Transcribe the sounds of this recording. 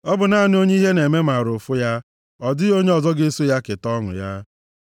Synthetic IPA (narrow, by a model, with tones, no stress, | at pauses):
ɔ˦bʊ˨na˦˨nɪ˦o˦ɲe˦i˦ɦe˦ne˨me˦ma˨ɾʊ˨fʊ˦ja˦ | ɔ˨dɪ˦o˦ɲe˦ɔ˨zɔ˦ɡe˦su˦ja˦kɪ˨tɔ˦ŋʊ̰˨ja̰˦